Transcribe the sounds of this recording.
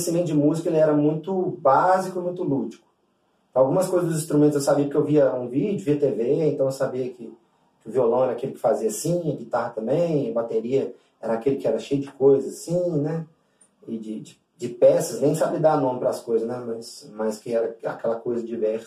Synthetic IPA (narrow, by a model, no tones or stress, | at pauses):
simẽnt̪ʊd͡ʒɪmuzikɐelɪɛɾɐmũj̃t̪ʊbazikʊɪmũj̃t̪ʊlud͡ʒikʊ̥̃ | awɡũmɐskojzɐzd̪ʊzĩst̪ɾumẽt̪ʊzewsabiɐpʊkewviɐũvid͡ʒʊviɐt̪eveẽnt̪ɐ̃w̃ewsabiɐkɪ | kɪʊviolɐ̃w̃ɛɾakelɪkɪ̥faziɐasĩeɡit̪aɾt̪ɐ̃mbẽj̃ɐbat̪eɾiɐ | ɛɾɐakelɪkɪɛɾɐʃejʊd͡ʒɪkojzɐzasĩnɛ | ɪd͡ʒɪd͡ʒɪ | d͡ʒɪpɛsɐsnẽj̃sabid̪anõmɪpɾɐaskojzɐsnɛmɐsmɐskɪɛɾɐa̰kɛlɐkojzɐd͡ʒivɛɾsɐ